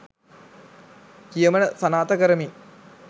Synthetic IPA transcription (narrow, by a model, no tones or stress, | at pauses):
kijəmənəsɐnaːt̪əkəɾəmi